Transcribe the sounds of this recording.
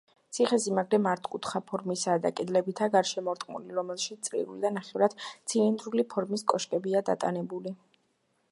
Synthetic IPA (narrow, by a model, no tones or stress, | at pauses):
t̪sʰiχɛsimaɡɾɛmaɾt̪ʰkʼut̪ʰχapʰɔɾmisaːd̪a̰kʼɛd̪lɛbit̪ʰaɡaɾʃɛmɔɾt̪ʼmṵliɾɔmɛlˠʃit̪sʼlḭɾṵlid̪anaχɛvɾad̪̥t̪sʰilind̪ɾulipʰɔɾmiskʼɔʃkʼɛbiad̪a̰t̪ʼanɛbuli